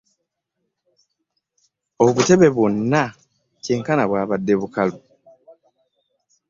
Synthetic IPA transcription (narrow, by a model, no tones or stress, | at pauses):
o̞βute̞βe̞βonːa | ceːŋkanaβwaːβadːeβukalu